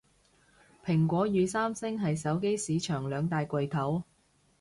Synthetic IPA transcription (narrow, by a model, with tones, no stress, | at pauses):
pʰɪ˨˩ŋkʷɔː˨˥jyː˨˧saː˥msɪ˥ŋɦɐ˨jsɐ˨˥wke˥jsiː˨˧˥t͡ʃʰœː˨˩ŋlœː˨˧ŋt̪aː˨jkʷɐ˨jt̪ʰɐ˨˥w